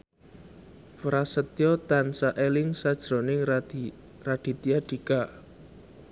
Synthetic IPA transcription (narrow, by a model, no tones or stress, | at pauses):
fɾasət̪ijɔt̪ansaʔelɪŋsad̥ʒ̥ɾo̤nɪŋ | rad̪̥i̤t̪iaɖ̥i̤ɡ̥a